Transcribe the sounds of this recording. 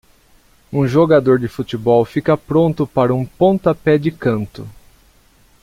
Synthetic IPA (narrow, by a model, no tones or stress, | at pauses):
ũʒoɡad̪oɾd͡ʒɪfut͡ʃ̪ɪbɔwfikɐpɾõnt̪ʊpaɾɐũpõnt̪apɛd͡ʒɪkɐ̃nt̪ʊ